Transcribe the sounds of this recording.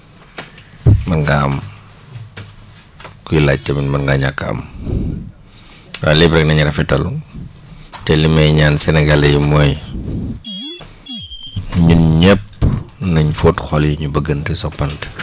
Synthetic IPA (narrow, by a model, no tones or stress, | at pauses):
mɐnɡaɐm | kujilac̚tːɛminmɐnɡaɲakːɐɐ̰m | wajlibɾɛk̚nɐɲɾɐfɛtɐl | tɛlimɐjɲaːnsɛnɛɡalɐjimɔj | ɲuɲɛpːnɐɲfotxɔljuɲubəɡəntəsɔpːɐnt